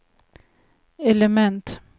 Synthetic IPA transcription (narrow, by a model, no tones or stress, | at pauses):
ɛləmɛnt̪